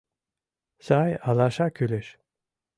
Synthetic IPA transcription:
sajalaʃakʰyleʃ

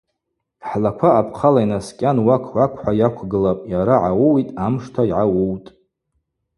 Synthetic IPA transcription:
ħlakʷʰaːpʰqʰalajnaskʲʼanwakʰwʷakʷʰħʷajakʷʰɡɨlapʼjaɾaʕawowitʼamʂtʰaiʕawowtʼ

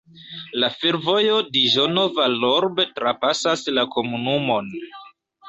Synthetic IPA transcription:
lafeɾvo̞jo̞diʒono̞valoɾbetɾapasaslako̞munumo̞n

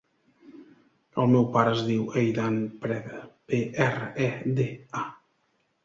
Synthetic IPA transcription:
əlˠmɛwpaɾəəzðiwejd̪anpɾɛt̪peɛrəɛd̪ea

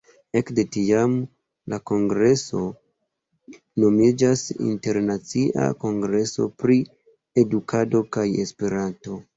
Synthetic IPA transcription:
e̞kde̞tiam | lako̞ŋɡɾe̞so̞ | no̞mid͡ʒasḭnte̞ɾnat͡siʔa̰ko̞ŋɡɾe̞so̞̰pɾi | e̞dukʰado̞kaje̞spe̞ɾanto̞

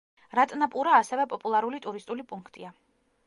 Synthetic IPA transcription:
ɾat̪ʼnapʼuɾaːsɛvɛpʼɔpʼulˠaɾulit̪ʼuɾist̪ʼulipʼuŋkʰt̪ʼia

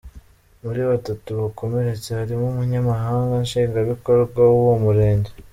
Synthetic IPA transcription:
muɾiβatatuβako̞me̞ɾe̞t͡se̞haɾimumuɲamaɦaːŋɡanʃiːŋɡaβiko̞ɾɡwawuwomuɾe̞ːɲɟe

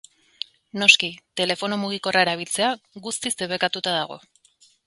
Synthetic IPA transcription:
no̞skit̪e̞le̞fo̞nomuɣ̞iko̞rae̞ɾaβ̞ilt͡seaɣust̪izd̪eβe̞kat̪ut̪aðaɣ̞o̞̰

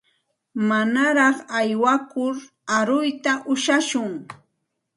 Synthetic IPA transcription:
manaɾɑχajwakʊɾ | aɾʊjt̪aʔʊʃaʃʊŋ

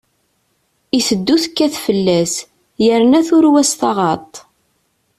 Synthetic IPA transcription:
iθəd̪ːuθəkːæθfəlːæs | jəɾnæθʊɾwæsθɑʁɑt̪ˤ

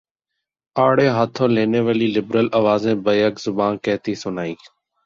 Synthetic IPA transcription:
aːɽeːɦaːt̪ʰõːleːneːʋəliːlɪbɾəlaːʋaːzẽːbəjəkzʊbaːnkəːt̪iːsʊnaːiː

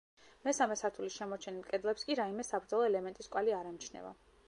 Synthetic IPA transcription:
mɛsamɛsaɾt̪ʰulisʃɛmɔɾt͡ʃʰɛnilkʼɛd̪lɛpskʼiɾaimɛsabɾd̪zɔlˠɔɛlɛmɛnt̪ʼiskʼwaliaɾɛmt͡ʃʰnɛ̰va̰

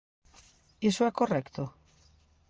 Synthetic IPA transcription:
isoɛkorɛkt̪o

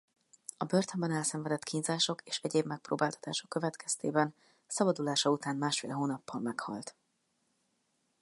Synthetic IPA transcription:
ɒbøːrt̪ømbɛnɛlsɛɱvɛd̪ɛt̪kʰiːɲzaːʃo̞keːʃɛɟeːbmɛk̚pro̰ːbaːlt̪ɒ̥t̪aːʃokːøvɛt̪kʰɛst̪eːbɛn | sɒbɒd̪ulaːʃɒut̪aːnmaːʃfḛːlɦoːnɒpːɒmmɛkhɒ̰lt̪

